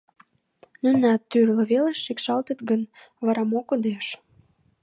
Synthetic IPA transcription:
nynɑt̪ːyrlə̆βeleʃːikʃɑlt̪ət̪ɡən | βɑɾɑmokod̪eʃ

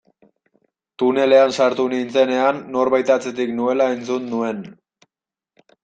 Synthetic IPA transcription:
t̪une̞le̞ansaɾt̪unint͡se̞ne̞anːo̞ɾβajt̪at͡se̞t̪iknue̞lae̞nt͡sunːue̞n

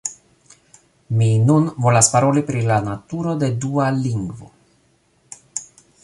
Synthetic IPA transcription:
minunvo̞laspaɾo̞lipɾilanatuɾo̞de̞dualiŋɡvo̰

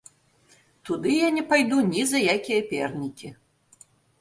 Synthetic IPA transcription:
t̪ud̪ɨjanʲɛpajd̪unʲizɐjakʲijɐpʲɛ̰rnʲikʲi

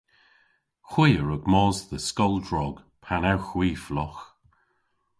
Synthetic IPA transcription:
xwɪːəɹʊɡmɔːzðəskɔlˠdɹɔɡ̥ | pʰanawxwiːflɔx

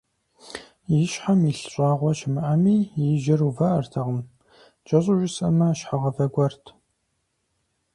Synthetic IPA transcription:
jɪʃħamiɬɕʷʼɑːʁʷɔʃɪmɨʔamiːjɪʒɪruvɐʔɐrtʰɐʁəm | t͡ʃʼɐɕʼʊʒʷɪsɐmɐʃħaʁɐvɐɡʷɔrtʰ

